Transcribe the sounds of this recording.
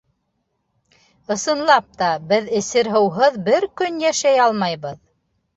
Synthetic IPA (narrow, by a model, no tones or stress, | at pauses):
ɤ̆sɤ̆nlˠɑp̚t̪ɑbɘðɘ̆sɘɾɦɤ̆wɦɤðbɘɾkɵnjæʃæjɑlˠmɑjβɤð